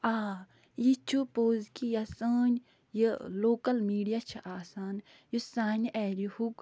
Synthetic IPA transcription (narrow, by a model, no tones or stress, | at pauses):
aː | jit͡ʃʰupoːzkijasəːn | jəloːkɐlmiːɖijat͡ʃʰiʔaːsaːn | jusaːnʔɛːɾihuk